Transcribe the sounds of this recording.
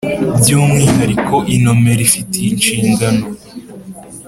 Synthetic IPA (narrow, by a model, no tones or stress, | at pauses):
bɟuːmŋiːhaɾiko̞ʔino̞me̞ɾifitʰeint͡ʃiːŋɡano